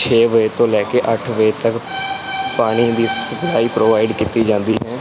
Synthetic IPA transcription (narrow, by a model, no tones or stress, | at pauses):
t͡ʃʰeːʋəet̪õːlɛːkeːʔəʈʰʋəet̪ək | paːɽ̃iːd̪iːsbɪlaːiːpɾoːʋaːɪɖkit̪iːd͡ʒãːnd̪iːɦɛ̃ː